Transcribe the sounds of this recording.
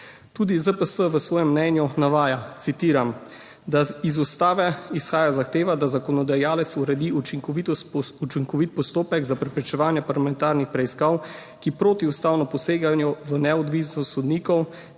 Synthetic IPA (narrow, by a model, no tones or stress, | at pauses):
t̪uːd̪izəpəsəʋəsʋɔːjɛmːnɛnjunaʋaːjat̪sit̪iːɾam | d̪aizust̪aːʋɛisxaːjazaxt̪eːʋad̪azakɔnɔd̪ajaːlɛt̪suɾɛd̪iut͡ʃiŋkɔʋit̪ut͡ʃiŋkɔʋit̪̚pɔst̪oːpɛɡzapɾɛpɾit͡ʃɛʋaːnjɛpaɾlamɛnt̪aːɾnixpɾɛiskaw | kipɾoːt̪iust̪aːwnɔpɔseːɡanjuʋənɛɔd̪ʋiːsnɔsɔd̪niːkɔw